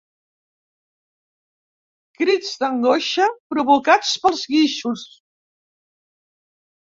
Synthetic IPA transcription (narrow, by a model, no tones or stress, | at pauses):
kɾid͡zd̪əŋɡoʃəpɾuβukat͡spəlˠzɣiʃus